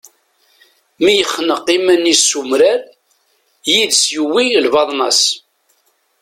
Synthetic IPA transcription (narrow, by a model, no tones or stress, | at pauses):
mijəχːnəqːimænːisumɾæɾ | jiðsjuwilvɑðˤnɑs